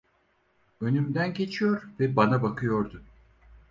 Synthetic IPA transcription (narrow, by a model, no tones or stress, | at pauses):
ø̞nymd̪ænɟe̞t͡ʃʰijo̞ɾvɛbanabakʰɯjo̞ɾd̪ʊ